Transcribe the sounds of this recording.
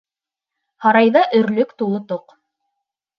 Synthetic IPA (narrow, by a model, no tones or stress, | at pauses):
hɑɾɑjðɑʔɵ̆ɾlɵkt̪ulˠot̪oq